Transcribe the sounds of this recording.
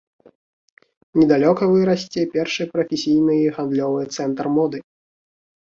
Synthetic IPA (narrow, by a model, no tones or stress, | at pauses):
nʲɛd̪alʲɔkɐvɨɾɐsʲt͡sʲɛpʲɛrʂɨjpɾɐfʲesʲijnɨjiɣand̪lʲɔvɨjɛt̪sɛnt̪rmɔd̪ɨ